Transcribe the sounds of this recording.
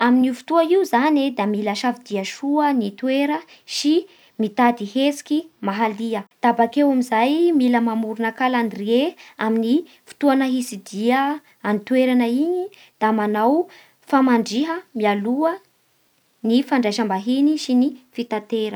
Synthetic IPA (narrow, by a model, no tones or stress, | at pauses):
aminifu̥t̪uaiuzaned̪amiləʃavid̪iəʃuənit̪uweɾə | si | mit̪ad̪ihesi̥kimaɦaliəd̪̥abakewamizajmiləmamuɾunəkalanirieamini | fu̥t̪uanəɦisid̪iə | anit̪weɾanəiɲi | d̪̥amanaw | famaɳɖ͡ʐiɦəmialuə | nifaɳɖ͡ʐajʃambaɦiniʃinifit̪at̪eɾə